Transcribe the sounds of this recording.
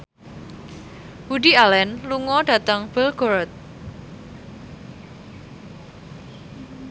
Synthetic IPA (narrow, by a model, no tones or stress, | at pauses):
budialɛnluŋɔɖa̤t̪əŋb̥əlɡ̥ɔɾt̪̚